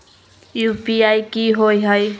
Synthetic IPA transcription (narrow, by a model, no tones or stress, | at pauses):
juːpiajkiɦojɦəj